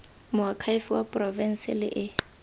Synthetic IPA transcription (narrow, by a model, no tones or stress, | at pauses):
mʊakʰaifiwapʼrɔvɛn̩sɪ̰lɪ̰ʔɪ